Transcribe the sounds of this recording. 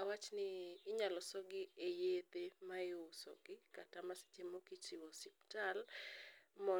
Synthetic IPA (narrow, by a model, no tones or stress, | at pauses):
awat͡ʃnɪːɲalɔsɔɡɪejet̪emajosɔ̰ɡɪkatamasɪ̥t͡ʃemokit͡ʃɪwɔsɪp̚tal | mɔ